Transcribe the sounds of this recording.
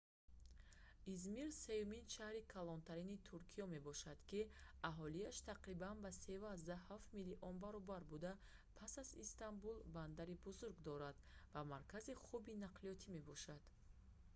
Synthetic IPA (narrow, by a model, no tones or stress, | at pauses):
izmiɾse̞juminʃahɾikʰalɔnt̪ʰaɾinit̪ʰuɾkʰijɔme̞bɔʃad̪̥kiaɦɔliaʃt̪ʰaqɾibanbasevazd̪ahaft̪miliʔɔnbaɾɔbaɾbud̪a | pʰasazist̪ʰanbulband̪aɾibuzuɾɡd̪ɔɾad̪ | vamaɾkʰaziχubinaqliɔt̪ʰime̞bɔʃad̪̥